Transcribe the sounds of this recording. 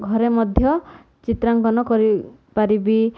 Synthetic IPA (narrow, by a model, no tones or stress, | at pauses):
ɡʱɔɾemɔd̪ʱjɔ | t͡ʃit̪ɾaŋɡɔnɔkɔɾi | paɾibi